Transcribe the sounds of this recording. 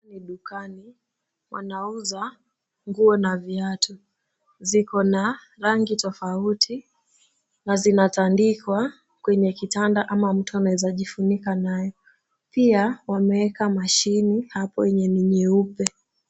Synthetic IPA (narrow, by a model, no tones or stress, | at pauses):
niɗukani | wa̰nauza | ŋɡuɔnaviatʰɔ | zikɔna | ɾaŋɡitɔfautʰi | nazinatandikwa | kwɛɲɛkitandaʔamam̩tuanaɛzaʄifunikanajɔ | piawamɛɛkamaʃinihapɔ̰wɛɲɛniɲiupɛ